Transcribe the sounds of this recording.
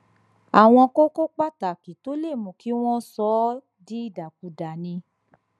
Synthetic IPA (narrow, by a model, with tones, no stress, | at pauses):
a˨w̃ɔ̃˧ko˦ko˦k͡pa˦˨ta˨ki˨to˦le˦˨mũ˨ki˨˦w̃ɔ̃˦sɔ˨˦ | di˦i˦˨da˨k̚u˨da˨nĩ˧